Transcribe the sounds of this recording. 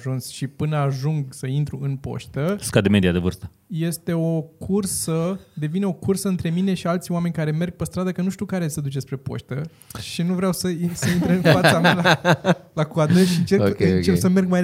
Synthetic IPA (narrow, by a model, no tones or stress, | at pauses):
ʒunsʃipɨnəaʒuŋɡsəint̪ɾuɨnpo̞̰ʃt̪əskad̪eme̞d̪ijad̪evɨrst̪ə̥ | jest̪e̞okʰursəd̪e̞vineo̞kursəɨnt̪ɾe̞mine̞ʃialt̪sʲoame̞nʲkaɾe̞me̞rɡ̚pəst̪ɾad̪əkənuʃt̪ukaɾe̞səd̪ut͡ʃespɾe̞po̞̰ʃt̪ə | ʃinuvɾeawsəisəint̪ɾeɨnfatssamalalakuad̪nɨʃiɨnt͡ʃeokʲeɨt͡ʃepsəme̞rɡ̚ma